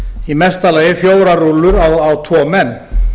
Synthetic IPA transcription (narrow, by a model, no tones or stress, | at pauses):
imɛst̪aleːjɪfjoːwɾaɾulːʏɾawawt̪ʰvɔːmɛnː